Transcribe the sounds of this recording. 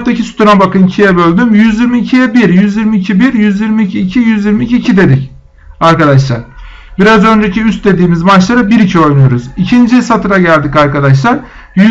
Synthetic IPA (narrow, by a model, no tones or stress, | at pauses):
t̪acʰisu̥t̪ʰuɾabakɯncʰijɛbø̞lʲd̪ymjyzjiɾmiːcʰijɛbiɾjyzjiɾmiːcʰibiɾjyzjiɾmiːcʰiːcʰijyzjiɾmiːcʰiːcʰid̪e̞d̪ic | aɾkad̪aʃlˠa̰ɾ̥ | biɾazø̞nd͡ʒecʰiyst̪̚d̪e̞d̪iːmizmat͡ʃlˠaɾɯbiɾicʰio̞jnujo̞ɾuzicʰind͡ʒisat̪ʰɯɾaɟælʲd̪icaɾkad̪aʃ̬lˠaɾ | jy